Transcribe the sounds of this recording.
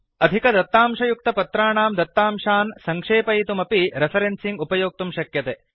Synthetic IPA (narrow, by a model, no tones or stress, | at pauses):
ɐd̪ʱikɐd̪ɐt̪ːaːmʂɐjuk̚t̪ɐpɐt̪ɾaːɳaːmd̪ɐt̪ːaːmʂaːnsɐŋkʂeːpɐjt̪umɐpiɾepʰɐɾensiŋɡupɐjoːk̚t̪umʃɐkjɐt̪e